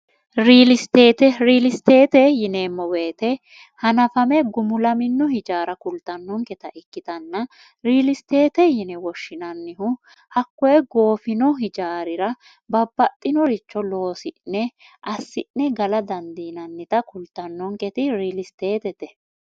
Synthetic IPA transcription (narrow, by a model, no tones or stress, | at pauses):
ɾiːlɪst̪eːt̪ɛɾiːlɪst̪eːt̪ɛjɪneːmːɔweːt̪ɛ | hɐnɐfɐmɛɡʊmʊlɐmɪnːɔhɪd͡ʒaːɾɐkʊlt̪ːɐnːɔŋkɛt̪ɐʔɪkːɪt̪ɐnːɐ | ɾiːlɪst̪e̞ːt̪ɛjɪnɛwɔʃːɪnɐnːɪɦʊ | hɐkːɔjɛɡo̞ːfɪnɔɦɪd͡ʒaːɾɪɾɐ | bɐbːɐt̪ʼːɪnɔɾɪt͡ʃːɔlo̞ːsɪʔnnɛ | ʔɐsːɪʔnɛɡɐlɐd̪ɐnd̪iːnɐnːɪt̪ɐkʊlt̪ːɐnːɔŋkɛt̪ɪɾiːlɪst̪eːt̪ɛt̪ɛ